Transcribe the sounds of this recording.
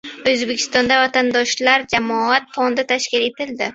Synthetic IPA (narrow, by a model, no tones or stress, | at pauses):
ɵzbe̞kʲʰɪ̥st̪ɒnd̪avat̪ʰand̪ɒʃlaɾd͡ʒamɒat̪fond̪ɪt̪ʰaʃkʲɪle̞t̪ɪld̪ɪ